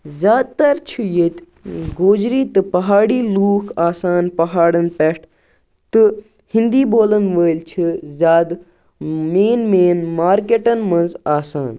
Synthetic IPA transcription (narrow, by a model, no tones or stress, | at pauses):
zʲjaːd̪̚t̪ɐɾt͡ʃʰujet̪ʲ | ɡoːd͡ʒɾiːt̪ɨpɐɦaːɽiːluːkʰaːsaːnpɐɦaːɽɐnpeʈʰ | t̪ɨ | hĩnd̪iːbʱoːlɐnʋəːlt͡ʃʰizʲaːd̪ | meːnmeːnmaːɾkeʈɐnmɐ̃nzaːsaːn